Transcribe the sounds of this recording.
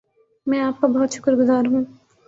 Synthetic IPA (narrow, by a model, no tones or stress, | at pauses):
mɛ̃ːaːp̚kobɔɦʊt̪ʃʊ̥kəɾɡʊzaːɾɦũː